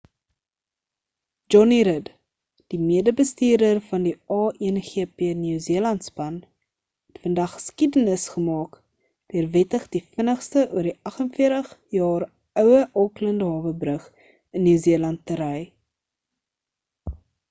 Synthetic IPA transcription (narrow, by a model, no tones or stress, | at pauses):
d͡ʒɔniɾəd | d̥imiədəbəstiːrdərfɐndiɑːʔɛnχeəpeənyːziəlɐntspɐn | ɦɛtfəndɐχːə̥skidənəsχəmɑːk | d̥iərvɛtəχdifənəχstəʔuərdiʔɐχənfiərtəχjɑːr | œwəʔɑːkləndəɦɑːvəbrəχ | ənːyːziəlɐntːəɾəj